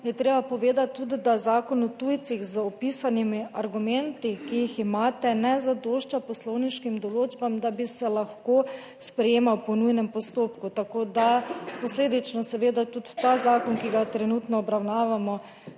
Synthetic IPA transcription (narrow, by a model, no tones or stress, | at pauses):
jɛt̪ɾeːbapɔʋeːd̪at̪ːud̪id̪azaːkɔnɔt̪ujt̪siɣzəɔpisanimiaɾɡumɛnt̪ikijiximaːt̪ɛnɛzad̪oːʃt͡ʃapɔslɔwniʃkimd̪ɔloːd͡ʒbamd̪abisɛlaxkoː | spɾɛjeːmawpɔnujnɛmpɔst̪oːpkut̪akoːd̪apɔsleːd̪it͡ʃnɔsɛʋeːd̪at̪ut̪ːazaːkɔnkiɡat̪ɾɛnut̪nɔːbɾawnaːʋamɔ